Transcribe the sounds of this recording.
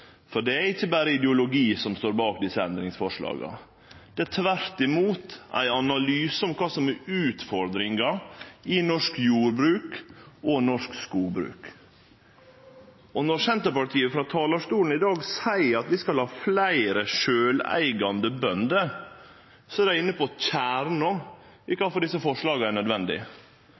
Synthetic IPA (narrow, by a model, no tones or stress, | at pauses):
fɔɖɛæɾɪçːəbæːɾəɪd̪əʊlʊɡiːsɔmst̪oːɾbɑːkd̪ɪsːəɛnd̪ɾɪŋsfɔʂlɑ̰ːɡɑ̰ | d̪̥ɛæt̪ʰʋæɾt̪ɪmuːt̪æ̰ɪɑnɑlyːsəɔmkʰɑːsɔmɛʉːt̪fɔɾd̪ɾɪŋɑɪnɔʂkjuːɾbɾʉːkɔnɔʂkskuːlbɾʉ̰ːk | ɔnɔɾsɛnt̪əpɑʈʰiːəfɾɑt̪ʰɑːlɑʂtuːln̩ɪd̪ɑːɡsæɪɾɑt̪ʋɪskɑlhɑːflæɪɾəʃøːlæ̰ɪɡɑnd̪əbœnd̪ə | sɔædæɪnːəpɔc͡çæːɾɳɔ | ɪkɑːfɔɖɪsəfɔʂlɑːɡəæɾɳœd̪ʋɛnd̪ɪ̰